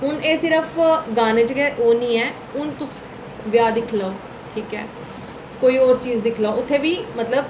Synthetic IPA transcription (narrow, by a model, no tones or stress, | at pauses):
ɦʊneːsɪɾəfʰɡaːneːd͡ʒəɡɛːʔoːnĩːɛː | ʊnt̪ʊs | ʋjaːd̪ɪkʰlaoː | ʈʰiːkɛː | koːiːɔːɾt͡ʃiːzd̪ɪkʰlaoːʊt̪ʰːeːʋiːmət̪ləb